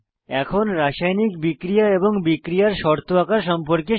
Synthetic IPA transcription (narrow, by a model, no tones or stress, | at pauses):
ɛkʰonɾaʃajnikbikɾijaeboŋbikɾijaɾʃɔɾt̪ʰoakaɾʃɔmpoɾke